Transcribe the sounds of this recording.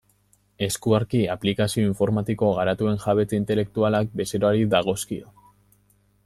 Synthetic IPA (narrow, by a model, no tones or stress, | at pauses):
e̞skuaɾkiaplikasio̞iɱfo̞ɾmat̪iko̞ɣaɾat̪ue̞nxaβe̞t͡seint̪e̞le̞k̚t̪ualak̚be̞seɾoaɾiðaɣ̞o̞skio